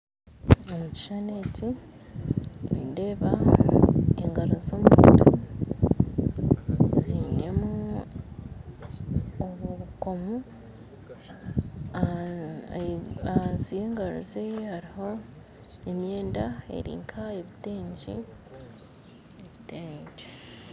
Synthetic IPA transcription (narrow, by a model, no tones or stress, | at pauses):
omuci̥ʃane̞ːci | wiːnde̞ːβa | eŋɡaɾuzoːmutʰu | ziːne̞mu | oβoβuko̞mu | ansije̞ːŋɡaɾṵzeehaɾiho̞ | emje̞ːndae̞̰ɾḭːŋkʰaeβite̞ːɲɟḭ | eβiteːɲd͡ʒe